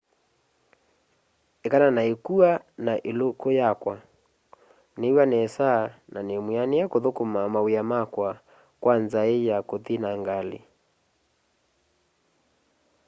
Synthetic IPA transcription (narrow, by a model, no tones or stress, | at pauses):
ekananaekuanaʔelokojakwa | newanɛsananemwianejakoðokomamaweamakwa | kwanzaejakotinaŋɡalḛ